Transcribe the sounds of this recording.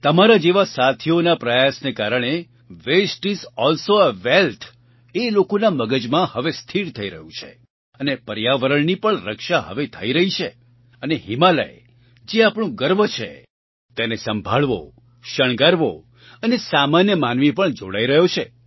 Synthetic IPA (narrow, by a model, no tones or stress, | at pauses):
t̪əmaɾad͡ʒeʋasat̪ʰionapɾəjasnekaɾəɽ̃e | ʋesʈizɔlsoəʋelt̪ʰ | elokonaməɡəd͡ʒmãhəʋest̪ʰiɾt̪ʰəiɾə̰ɦjũt͡ʃʰḛ | ənepəɾjaʋəɾəɳnipəɳɾəkʃaɦə̰ʋet̪ʰə̰iɾəɦit͡ʃʰe | əneɦimalə̰j | d͡ʒeapɳ̃ũɡəɾbət͡ʃʰḛ | t̪enesəmbʱaɭʋo̰ | ʃəɳ̃ɡaɾʋo | ənesamanjəmanʋipəɳd͡ʒo̰ɽaiɾəɦjot͡ʃʰe